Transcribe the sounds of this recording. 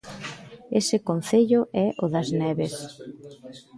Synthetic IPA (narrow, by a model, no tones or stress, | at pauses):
esɪkon̟θeʎʊʔɛʔʊðɐznɛβes